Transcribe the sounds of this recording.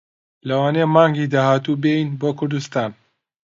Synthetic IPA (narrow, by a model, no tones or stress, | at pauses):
lɐwaːnejmɑːŋɡid̪aːhaːt̪ubejinboːkʰʊɾd̪ust̪aːn